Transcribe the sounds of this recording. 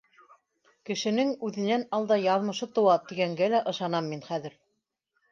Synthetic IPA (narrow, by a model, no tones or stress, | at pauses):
kɘ̆ʃɘ̆nɘŋʉðɘ̆nænɑlˠd̪ɑjɑðmɤ̆ʃɤt̪ŏwɑt̪iɡæŋɡælæʔɤ̆ʃɑnɑmːinχæðɘ̆ɾ